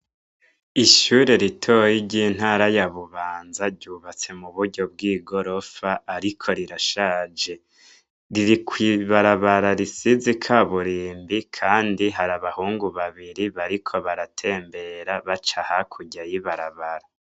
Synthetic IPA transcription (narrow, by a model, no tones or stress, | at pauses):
iʃuːɾe̞ɾitʰojiɾɟiːn̥haːɾajaβuβaːnzaɾɟuːβat͡se̞muβuɾɟo̞b̚ɡiːɡo̞ɾo̞faːɾikʰo̞ɾiɾaʃaːd͡ʒe̞ | ɾiɾikʰwiːβaɾaβaɾaɾisizikʰaβuɾiːmbikʰaːndiɦaɾaβahuːŋɡuβaβiɾiβaɾikʰo̞βaɾatʰe̞ːmbe̞ɾaβat͡ʃahakʰuɟajiβaɾaβaɾa